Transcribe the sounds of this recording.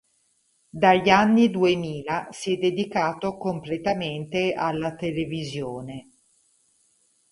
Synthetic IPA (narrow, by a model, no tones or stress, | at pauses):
d̪aʎːanːid̪uemiːlasjɛd̪ːed̪ikaːt̪okomplet̪ament̪ealːat̪elevizjoːne